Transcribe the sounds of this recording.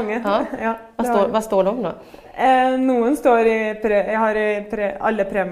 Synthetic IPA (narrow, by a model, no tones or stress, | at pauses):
ŋːəjɑːdɑʋɑst̪oːɖɛɔmno̰ː | nuːənst̪oːɾɪpʰɾejæhɑɾɪpʰɾeɑ̰lːəpʰɾeːm